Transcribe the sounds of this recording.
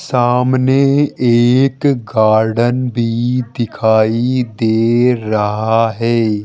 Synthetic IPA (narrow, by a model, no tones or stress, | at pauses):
saːmneeːkɡaːɾɖənbʱid̪ɪkʰaːid̪eːɾɐɦaɦɛː